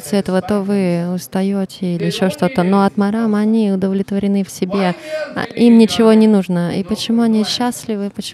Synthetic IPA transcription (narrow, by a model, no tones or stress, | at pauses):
t̪sɨɛt̪əvət̪o̞vɨʊst̪ɐjotʲɪilʲɪɪɕːoʂt̪o̞t̪əno̞ɐt̪mɐɾamɐnʲiʊd̪əvlʲɪt̪vəɾʲɪnɨfsʲɪbʲe̞̰ʔimnʲɪt͡ɕɪvo̞nʲɪnuʐnəḭpət͡ɕɪmuɐnʲiɕːasʲlʲɪvɨpət͡ɕ